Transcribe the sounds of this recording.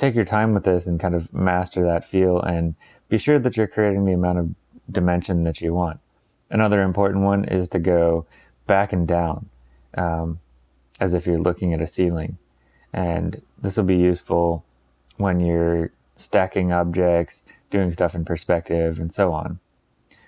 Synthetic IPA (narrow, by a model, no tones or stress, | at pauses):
tʰeɪkjə˞tʰãɪ̃mwəðɪsn̩kʰãɪ̃ndʌvmæstə˞ðɨtfilˠɨ̃n | b̥iʃʊɹðɨt͡ʃə˞kʰɹ̥ieɪɾɪ̃ŋðiɨmãʊ̃ñtʌv | dɨmɛ̃nʃɨ̃nðɨt͡ʃɨwɑ̃nt̚ | ɨnʌðə˞ɨ̃mpʰɔɹʔn̩ʔ̚wʌ̃nʔɪ̰z̥tʰɨɡoʊ | b̥ækɨ̃ndãʊ̃n | ʔʌ | ɨzɨfjə˞lʔʊkɪ̃ŋɨɾɨsilˠɪ̃ŋ | ʔɨ̃nðɪsl̩ˠbijʉsfl̩ˠ | wə̃njə˞ | stækɪ̃ŋɑb̚d͡ʒɛk̚ts | d̥ʉɪ̃ŋstʌfn̩pʰə˞spɛk̚tɪvɨ̃nsoʊɑ̰̃n